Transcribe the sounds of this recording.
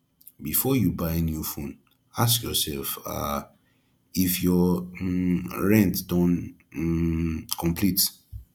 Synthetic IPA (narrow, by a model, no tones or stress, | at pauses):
bifɔjubaɪnjufũn | askjɔsɛlfa̰ | ifjɔ | ɹɛ̃ntdɔ̃n | kʰɔ̃mpʰlit